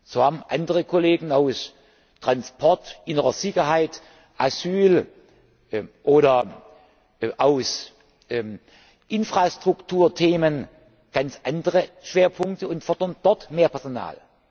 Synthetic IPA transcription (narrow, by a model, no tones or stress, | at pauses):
z̥oːhaːbm̩ʔandəʁəkʰoleːɡŋ̩aʊs | tʁ̥anspʰɔɐtʔɪnəʁɐz̥ɪçɐɦaɪt | ʔazyːl | ʔoːɾɐ | ʔaʊs | ʔɪnfʁ̥astʁ̥ʊktʰuːɐtʰeːmən | ɡ̥ant͡sʔandəʁəʃv̥eːɐpʰʊŋktəʊntfɔɐdɐnd̥ɔɐtmeːɐpʰɛɐzona̰ːl